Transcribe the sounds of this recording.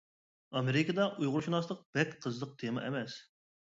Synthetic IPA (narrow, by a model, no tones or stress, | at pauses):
ɑmeɾɪkʰəd̪ɑʔujʁʊɾʃunɑslˠəq̚b̥ɛkʲqʰəzlˠəq̚t̪ʰemɑ̰ʔɛ̰mɛs